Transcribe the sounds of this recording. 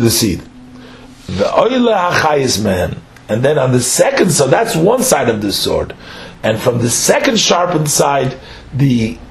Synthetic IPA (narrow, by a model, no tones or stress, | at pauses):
ðɨsḭd | vəʔɔɪlˠəhaχaɪɨsmɛ̃n | ɨ̃nðɛ̃nə̃nðɨsɛkɨ̃ndsaðætswʌ̃nsaɪɾʌvðɨsɔ̰ɹdɨ̃nfɹʌ̃mðɨsɛkɨ̃nd̥ʃɑɹpɪ̃nsaɪd̪̚ | ði